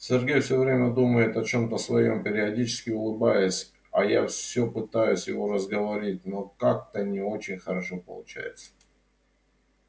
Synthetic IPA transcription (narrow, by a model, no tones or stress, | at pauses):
sʲɪrɡʲejfsʲovɾʲemʲəd̪uməjɪt̪ɐt͡ɕo̞mt̪əsvɐjo̞mpʲɪɾʲɪɐdʲit͡ɕɪ̥skʲɪʊlˠɨbajɪsʲ | ɐja̰fsʲɵpɨt̪ajʊsʲjɪvo̞ɾəzɡəvɐɾʲit̚ʲnokak̚t̪ənʲɪo̞t͡ɕɪnʲxəɾɐʂo̞pə̰lˠʊt͡ɕæ̰jɪ̰t̪sə̥ə